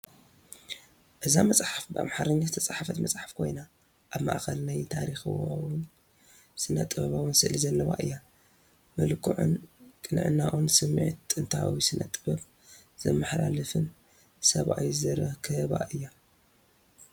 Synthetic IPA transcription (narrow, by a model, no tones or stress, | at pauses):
ʔɨzamɐt͡sʼħafbɨa̰mħaɾɐɲːast̪ʰɐt͡sʼaħafɐt̪mɐt͡sʼħḁfkʰo̞̰jna | ʔaβma̰ʔxɐlnajt̪ʰaɾixwawɨn | sɨnːɐt̪ʼɨβɐβawɨnsɨʔlizɐlːɐβa̰ʔɨjːa | mɐlkʰːɨʕṵnkʼɨnʕɨ̰nːaʔunsɨmːʕit̪ʼːɨnt̪ʰawisɨnɐ̰t̪ʼːɨbɐβ | z̥ɐ̰mːɐħla̰lɨfɨn | sɐβʔa̰wizɨɾɐkʰɨhɨβa̰ʔɨjːa